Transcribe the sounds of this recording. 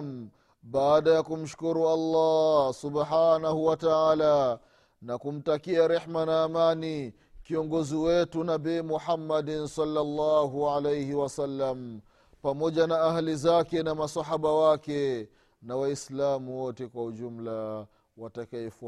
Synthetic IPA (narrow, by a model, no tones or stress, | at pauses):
m | ɓaːɗajakum̩ʃu̥kuɾualːɑsubħaːnahuwataʕala | nakum̩takiaɾɛħmanaːmani | kiɔŋɡɔziwɛtunabiːmuħamːadnsalːalːaɦuʕalejhiwasalːam | pamɔʄanaahalizakɛnamasaɦaɓawakɛ | nawaislamuwɔtɛkwahuʄum̩la | watakaɛfu